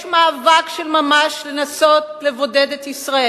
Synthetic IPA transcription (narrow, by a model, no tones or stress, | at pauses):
ʃmaːvakʃelmamaʃlenaso̞t̪le̞vo̞ded̪et̪isʁae